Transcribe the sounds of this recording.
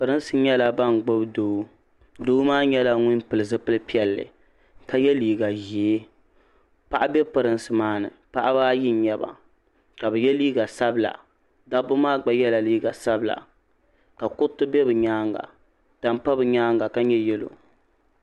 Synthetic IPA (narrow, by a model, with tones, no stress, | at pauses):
pɨ˨ɾɨ˦n˦sɨ˨˦ɲɛ˦la˨ba˦ŋɡ͡bo˦bdoː˨˦ | doː˦maː˦ɲɛ˦la˦ŋʊ˦n˦pɨ˨lɨ˨zɨ˦pɨ˦lɨ˦pi˦ɛ˨lːɨ̰˨ | ka˦jɛ˦liː˨ɡa˨ʒe˨˦ | pa˦˨ʔa˦bɛ˦pɨ˨ɾɨ˦nsɨ˨maː˦nɨ̰˨pa˦ʔa˦baː˦ji˦ɲɛ˦ba̰˨ | ka˨bɛ˨jɛ˦liː˦ɡa˨sa˦bɨ˦la̰˨ | da˦bʊ˦maː˦ɡ͡ba˦jɛ˦la˨liː˦ɡa˨sa˦bɨ˨la̰˨ | ka˨kʊ˦tɨ˦bɛ˦bɨ˨ɲaː˦ŋɡa̰˨ | da˨mpa˦bɨ˨ɲaː˦ŋɡa˨ka˦ɲɛ˦jɛ˦lo̰˨